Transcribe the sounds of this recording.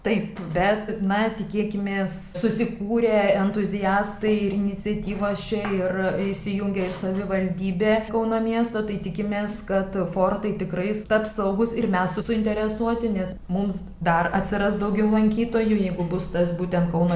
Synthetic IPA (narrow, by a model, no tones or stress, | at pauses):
t̪ɐɪpbʲɛt̪nɐt̪ʲɪkʲiːkʲɪmʲeːs | sʊsʲɪkuːɾʲeːɛnt̪ʊzʲɪjæːst̪ɐɪɪɾɪnʲɪt͡sʲɛt̪ʲiːʋoːst͡ʃʲɛɪrɪʃʲsʲɪjʊŋʲɡʲɛɪrsɐʋʲɪʋɐlʲd̪ʲiːbʲeːkɐʊnoːmʲiɛst̪oːt̪ɐɪt̪ʲɪkʲɪmʲeːskɐt̪foːrt̪ɐɪt̪ʲɪkɾɐɪst̪ɐpsɐʊɡʊsɪrmʲɛssʊsʊɪnʲt̪ʲɛɾʲɛsuɔt̪ʲɪnʲɛs | mʊms | d̪ɐrɐt̪ʲsʲɪɾɐsd̪ɐʊɡʲɛʊlˠɐŋʲkʲiːt̪oːjujɛɪɡʊbʊst̪ɐsbuːt̪ʲɛnt̪̚kɐʊnoː